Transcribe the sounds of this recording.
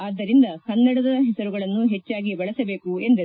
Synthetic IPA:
aːd̪ːɐɾind̪ɐhɐnːɛɽɐd̪ɐɐɦɛsɐɾuɡɐɭɐnːuɦɛt͡ʃːaːɡibɐɭɐsɐbe̞ːkue̞nd̪ɐ

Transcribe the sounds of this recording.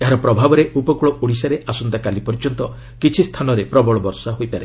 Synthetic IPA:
eɦaɾɔpɾɔbʱabɔɾeʔupɔkuɭɔʔoɽisaɾeʔasɔnd̪akalipɔɾid͡ʒɔnt̪ɔ | kit͡ʃʰist̪ʰanɔɾepɾɔbɔɭɔbɔɾsaɦojpaɾe

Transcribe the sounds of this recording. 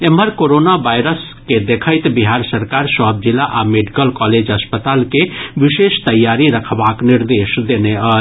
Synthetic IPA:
emɦəɾkoɾonabajɾəs | ked̪ekʰəjt̪biɦaɾsəɾkaɾsɔɦb̚d͡ʒilːaʔameɖikəlkɔled͡ʒɦəspət̪alkeʋiʃest̪əjːaɾiɾəkʰbakniɾd̪esd̪eneə

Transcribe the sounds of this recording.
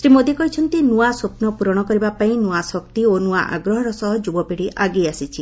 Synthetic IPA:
sɾimod̪ikɔɦit͡ʃʰɔnt̪inuasopnɔpuɾɔɽ̃ɔkɔɾibapaĩnuasɔkt̪ionuaʔa̰ɡɾɔɦɔɾɔsɔɦɔd͡ʒubɔpiɽiʔaɡiasit͡ʃʰi

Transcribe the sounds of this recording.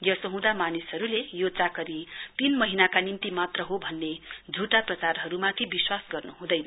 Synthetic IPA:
jjʌsʌɦũd̪amanisɦʌɾulejot͡sakʌɾip̪inmʌɦinakanimt̪imat̪rʌɦobʱʌnːed͡zʱuʈaprʌt͡sarɦʌɾumat̪ʰibiswasɡʌrnuɦũd̪ʌjnʌ

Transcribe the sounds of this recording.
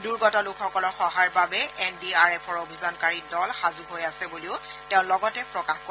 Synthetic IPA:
duɹɡɔtalukʰxɔkɔlɔxɔɦaɹbabɛʔɛndiaɹɛpʰɔɹobʱizɔnkaɹidɔlxazuɦojasɛbuliʊtɛʊ̃lɔɡɔtɛpɹɔkaxkɔ

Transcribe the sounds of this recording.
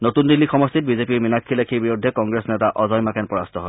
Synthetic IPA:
notund̪ilːixɔmɔst̪it̚bizepiɹminakʰːilekʰiɹbiɹudʱːɛkɔŋɡɹesnɛtaʔɔzɔjmakɛnpɹɔɹast̪ʰɔɦɔj

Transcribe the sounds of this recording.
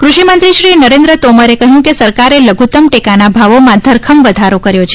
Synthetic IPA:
kɾuʃimənt̪ɾiʃɾinəɾẽnd̪ɾət̪oməɾekəɦjũkesəɾkaɾeləɡʱut̪əmʈekanabʱaʋomãd̪ʱəɾkʰəmʋəd̪ʱaɾokəɾjot͡ʃʰe̥

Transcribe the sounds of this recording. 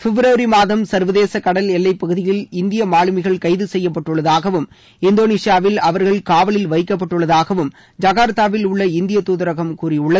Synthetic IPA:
fɪbɾɐːɾimaːðɐmsɐɾʋɐðeːsɐkɐɽɐlɛlːɐɪpːɐɣɯðɪjɪlɪnd̪ɪjɐmaːɭɯmɪɣɐɭkɐɪðɯsɛjːɐpːɐʈːɯɭːɐðaːɣɐʋɯm | ɪnd̪oːniːʂjaːʋɪlɐʋɐɾɣɐɭkaːʋɐɭɪlʋɐɪkːɐp̬ːɐʈːɯɭːɐðaːɣɐʋɯm | d͡ʒɐɣaːɾt̪aːʋɪlʊɭːɐɪnd̪ɪjɐt̪uːðɐɾɐɣɐmkuːrɪʊɭːɐ

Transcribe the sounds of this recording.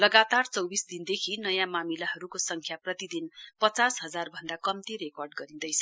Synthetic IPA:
lʌɡat̪art͡sʌwbisd̪ind̪ekʰinʌjãmamilaɦʌɾukosʌŋkʰjaprʌt̪id̪inpʌt͡sasɦʌd͡zarbʱʌnd̪akʌmt̪iɾekʌrɖɡʌɾid̪ʌjt͡sʰʌ

